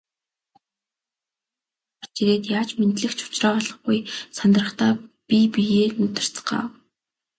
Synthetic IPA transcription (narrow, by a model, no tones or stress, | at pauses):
ɔrt͡ɕiɾeːt̪jaːt͡ɕment̪ɮɘ̆xt͡ɕʰʊ̥t͡ɕrɔːɮə̆χɡujsant̪rə̆χt̪aːpipijeːnɵt̪ɪ̆r̥t͡sə̥̆ɢa̰ː